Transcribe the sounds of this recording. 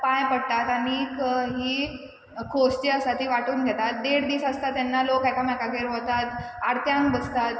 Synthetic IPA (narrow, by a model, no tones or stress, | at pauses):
pãjpəɽt̪at̪aɽ̃iːkɦiː | kʰost͡ɕeəsat̪ɦiːʋaʈuːnɡʱɛt̪at̪̚d̪eɽd̪iːsəst̪at̪ːɛnːalokajkamakakeɾɦot̪at̪aɽt̪jãŋkbəst̪at̪